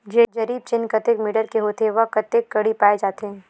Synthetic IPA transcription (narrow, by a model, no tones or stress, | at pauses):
d͡ʒeːd͡ʒɐɾiːb̚t͡ʃɪnkɐt̪ekmɪːɖəɾkeɦoːt̪eʋɐkɐt̪ekːɐɽipaːed͡ʒaːt̪eɦː